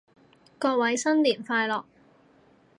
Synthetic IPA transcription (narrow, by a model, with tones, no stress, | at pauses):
kɔː˧k̚wɐ˨˥jsɐ˥nliː˨˩nfaː˧jlɔː˨k̚